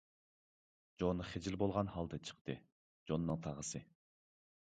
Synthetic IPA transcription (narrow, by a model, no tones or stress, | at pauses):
d͡ʒonːɨχed͡ʒilbolˠʁɑnhɑlˠd̪ɛt͡ʃʰə̥qt̪ɨ | d͡ʒonːɨŋt̪ʰɑʁəsɨ